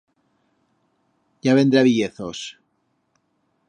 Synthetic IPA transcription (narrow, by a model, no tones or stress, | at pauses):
jaβẽ̞nd̪ɾaβiʝeθos